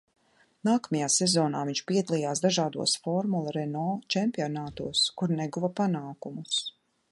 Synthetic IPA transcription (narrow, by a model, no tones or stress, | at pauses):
naːkamajaːsɛzɔːnaːviɲt͡ʃpiɛd̪alˠijaːsd̪aʒaːd̪ṵɔsfɔɾmulˠaɾɛnɔːt͡ʃɛmpiɔnaːt̪uɔskuɾnɛɡuvapanaːkumus